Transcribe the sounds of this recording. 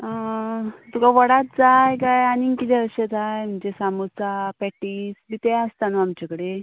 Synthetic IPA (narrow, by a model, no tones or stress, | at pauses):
ə | t̪ukaʋəɽat̪̚d͡zajkajaniŋkit̪ʰɛəɕed͡zajm̤əɳd͡ʑesamuɾt͡sapɛʈisbit̪east̪anoamt͡ɕakəɽe